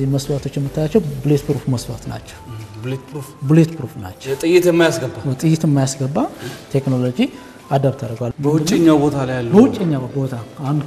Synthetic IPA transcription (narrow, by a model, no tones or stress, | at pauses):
ziməswat̪ʰo̞t͡ʃːjɛmːɨt̪ʰːajat͡ʃːɛwbɨlet̪pɾufməswat̪na̰t͡ʃːɛ̥wbɨlet̪pɾufbɨlet̪pɾufna̰t͡ʃːɛt̪ʼɨjɪt̪jɛmːajasɡəbawɔt̪ʼɨjːɪt̪ɨmːajasɡəbːat̪ʰe̞kno̞lod͡ʒi | ad̪aβt̪ʰaɾəɡwalməwʊdt͡ʃʼːeɲːawbot̪ʰalajalːəbəwʊt͡ʃʼːeɲːabo̞t̪ʰaand̪